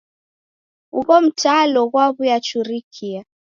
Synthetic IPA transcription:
ṵβɔm̩taːlɔɣwaβujat͡ʃuɾikʰia

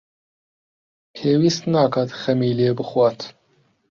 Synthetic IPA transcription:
pʰeːwiːst̪naːkʰaːt̪xɐmiːleːbɨxwaːt̪

